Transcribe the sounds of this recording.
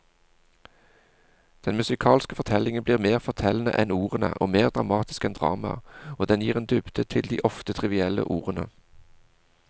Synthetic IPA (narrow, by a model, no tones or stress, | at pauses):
d̪̥ɛnmʉsɪkʰɑːlskəfɔʁt̪ʰɛlɪŋənbliːʁmeːʁfɔʁt̪ʰɛlnə̰ʔɛnuːʁənə̰ʔoːmeːʁd̪ʁɑmɑːt̪ɪ̥skɛnd̪ʁɑ̰ːmɑ̰oːd̪ɛnjiːʁeːnd̪ʉbd̪̥ət̪ʰɪld̪iːʔɔft̪ət̪ʰʁɪʋɪɛlə̰ʔuːʁənə̰